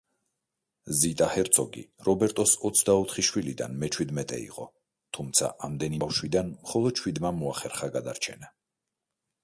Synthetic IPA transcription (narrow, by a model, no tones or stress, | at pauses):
zit̪ʼahɛɾt̪sʰɔɡḭɾɔbɛɾt̪ʼɔsɔt̪sʰd̪aɔt̪ʰχiʃwilid̪a̰nmɛt͡ʃʰwid̪mɛt̪ʼɛ̰ḭqʼɔ | t̪ʰumt̪sʰa̰ʔamd̪ɛnifʃwid̪anmχɔlˠɔd̪̥̚t͡ʃʰwid̪mamɔaχɛɾχaɡad̪aɾt͡ʃʰɛna